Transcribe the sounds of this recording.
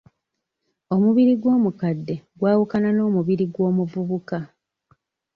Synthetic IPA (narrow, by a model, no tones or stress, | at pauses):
o̞muβiɾiɡwo̞ːmukadːe̞ɡwaːwukanano̞ːmuβiɾiɡwo̞ːmuvuβuka